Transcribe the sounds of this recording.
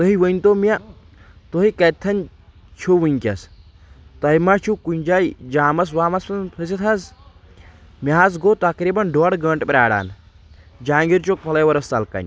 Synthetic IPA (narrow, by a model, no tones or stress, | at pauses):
t̪ɐɦiʋɐnt̪oːmia | t̪oɦikɐt̪ʰːɐnʲ | t͡ʃʰuʋiŋkʲɐs | t̪ɐjmat͡ʃʰukunʲd͡ʒaːjd͡ʒaːmɐs̬waːmɐsɐnpʰɐs̬it̪ʰɐz | mʲaɦazɡoːt̪ɐkɾiːbɐnɖoːɽɡɐɳʈpɾʲaːɽa̰ːn | d͡ʒaːŋɡiɾt͡ʃok̚pʰɐlɐjʋɐɾɐst̪ɐlkɐ̰nʲ